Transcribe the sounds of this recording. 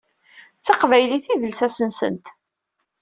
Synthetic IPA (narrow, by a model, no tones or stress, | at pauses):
t͡sːɑqvæjliθiðəlsæsənsə̰nt̪